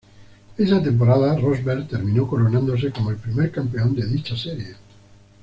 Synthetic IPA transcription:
esat̪̬e̞mp̬oɾaðarozβeɾt̪eɾmĩnokoɾonãnd̪os̬ekomoelpɾimeɾkampe̞ond̪eðit͡ʃaseɾje

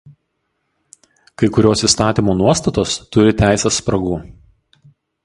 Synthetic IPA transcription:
kɐɪkʊɾʲoːsiːˑst̪ɑːt̪ʲiˑmoːnuɔst̪ɐt̪oːst̪ʊɾʲɪt̪ʲæˑɪsʲɛsːpɾɐɡuː

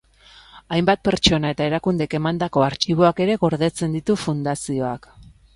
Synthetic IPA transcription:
ajmbat̪̚pe̞ɾt͡ʃo̞nae̞t̪ae̞ɾakund̪eke̞mand̪ako̞aɾt͡ʃiβ̞o̞ake̞ɾe̞ɣo̞ɾðe̞t͡se̞nd̪it̪ufund̪asio̞ak

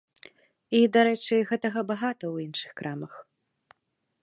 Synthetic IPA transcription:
id̪aɾɛt͡ʂɨɣɛt̪ɐɣɐbaɣat̪ɐwinʂɨ̥xkɾʔamɐx

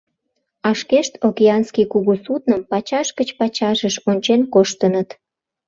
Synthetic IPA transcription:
ɑʃkeʃt̪okeɑnskikuɣusut̪nəmpɑt͡ɕɑʃkət͡ɕpɑt͡ɕɑʒəʃonʲt͡ɕenkoʃt̪ənət̪

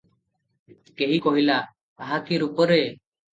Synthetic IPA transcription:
keɦikɔɦila | aɦakiɾupɔɾe

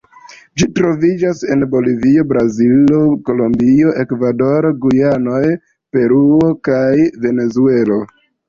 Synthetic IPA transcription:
d͡ʒitɾo̞vid͡ʒase̞̰nbo̞livio̞bɾaziloko̞lombio̞ʔe̞kvado̞ɾɡujano̞j | pe̞ɾuo̞kajve̞ne̞zue̞lo̞

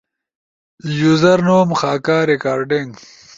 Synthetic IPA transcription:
juzɐɾnoːmxaːkaːɾekaːɾɖiŋɡ

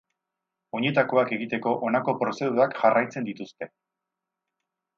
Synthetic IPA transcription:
o̞ɲe̞t̪ako̞ake̞ɣit̪e̞ko̞ʔonako̞pɾo̞se̞ðuɾakʝarajt͡se̞nd̪it̪ust̪e̞

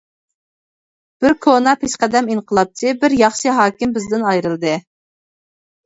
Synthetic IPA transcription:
b̥ɪɾkʰonɑpʰeʃqæd̪ɛminqʰəlˠɑp̚t͡ʃ̪ʰɪbɪɾjɑχʃɨɦɑːkʲɪmbɪzd̪ɪnɑjɾɨlˠd̪ɨ

